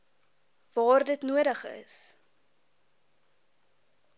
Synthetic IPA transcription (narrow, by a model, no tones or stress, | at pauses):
v̥ɑːrdətnuəɾəχə̰s